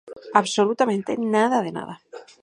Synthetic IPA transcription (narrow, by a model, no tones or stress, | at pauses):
aβsolut̪amẽnt̪ḛnaðaðena̰ða